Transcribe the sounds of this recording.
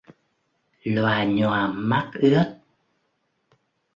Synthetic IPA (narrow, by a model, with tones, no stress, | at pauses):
lwaː˨˩ɲɔ˨˩ma˦˥k̚ʔɨ˦˥ət̚